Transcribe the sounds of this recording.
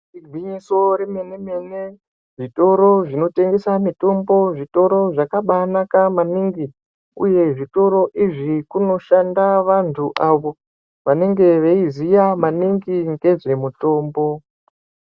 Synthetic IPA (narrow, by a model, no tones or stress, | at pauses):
iɡʱiɲiso̞ɾemeneme̞ne | ʐito̞ɾoʐino̞te̞ŋɡe̞samito̞mbo̞ʐito̞ɾo̞ʐakaɓanakamaniŋɡi | ṵje̞ʐito̞ɾo̞ʔiʐikuno̞ʃandaʋantʰuʔaʋo̞ | ʋane̞ŋɡe̞ʋeizijamaniŋɡiŋɡe̞ʐe̞muto̞ːmbo̞